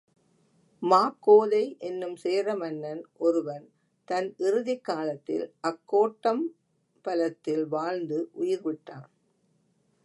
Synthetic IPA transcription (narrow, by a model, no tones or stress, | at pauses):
maːkːoːðɐɪʔɛnːɯmseːɾɐmɐnːɐnʔɔɾɯʋɐn | t̪ɐnʔɪɾɯðɐkːaːlɐt̪ːɪ̰lʔɐkːoːʈːɐm | pɐlɐt̪ːɪlʋaːɻnd̪ɯʔʊjɪɾʋɪʈːaːn